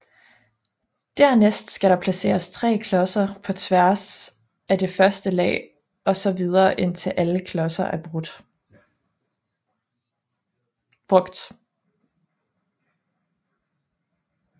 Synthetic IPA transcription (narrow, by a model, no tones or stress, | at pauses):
d̥æɐnesd̥sɡ̥æɾ̥ɑ̈pʰlæse̝̰ːɐst͡sʰʁɛ̰ːkʰlɒ̽sɐpʰɒ̽t͡sʰʋæɐ̰s | æd̥e̝fɶɐsd̥əlɛ̰ː | ɒ̽sɒ̽ʋið̞ˠɐːʔe̝n̰t͡sʰe̝ʔæləkʰlɒ̽sɐʔæɐb̥ʁud̥ | b̥ʁɔɡ̥d̥